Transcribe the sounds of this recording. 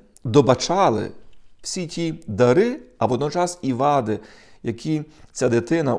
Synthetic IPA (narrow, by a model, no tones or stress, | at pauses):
d̪ɔbɐt͡ʃɑlˠɪ̰w̥sʲitʲid̪ɐɾɪɐʋɔd̪nɔt͡ʃɑsiʋɑd̪ɪjɐkʰʲit͡sʲad̪ɪt̪ɪnɐ